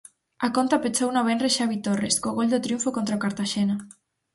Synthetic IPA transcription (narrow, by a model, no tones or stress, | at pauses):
akont̪apet͡ʃownaβenreʃaβit̪oreskoɣold̪ot̪ɾjuɱfokont̪ɾaokaɾt̪aʃena